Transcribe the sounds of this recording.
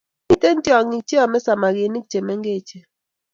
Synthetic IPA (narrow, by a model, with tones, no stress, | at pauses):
i˦te˦n˦tjɔ˨ŋi˨k̚t͡ʃe˦ɔ˨mɛ˦sa˨ma˨ɡe˨ni˦k̚t͡ʃe˨mɛ˦ŋɡe˦˨t͡ʃe˨